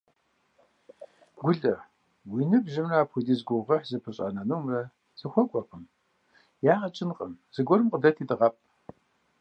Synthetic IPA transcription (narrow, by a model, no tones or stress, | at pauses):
ɡʷʊɮɐ | wiːnɨbʒɪmraaːpʰxʷʊdiːzɡʷʊʁɐħzɨpʰɨɕʼɐ̰nɐnuːmrɐ | z̥ɨxʷɔkʷʼɔqəm | jaːʁɐt͡ʃʼɪnqʼəmz̥ɨɡʷɔɾɨmqʼədɐtʰiːdɨʁɐpʼ